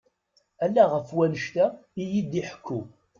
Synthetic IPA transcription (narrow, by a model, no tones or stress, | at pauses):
ælːæʁəfwænəʃt̪æijid̪iħə̥kʰːu